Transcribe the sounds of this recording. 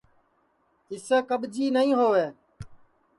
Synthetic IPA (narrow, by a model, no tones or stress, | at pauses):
ɪseːkəɓd͡ʒiːnəĩːɦoːʋeː